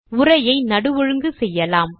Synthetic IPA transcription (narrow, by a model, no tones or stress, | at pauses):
ʊrɐjɐɪnɐɽɯʋɔɻɯŋɡɯsɛjːɐlaːm